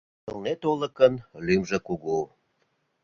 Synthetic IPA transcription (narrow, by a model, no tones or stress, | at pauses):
ə̰lnet̪olə̆kənlymʒĕkuɣu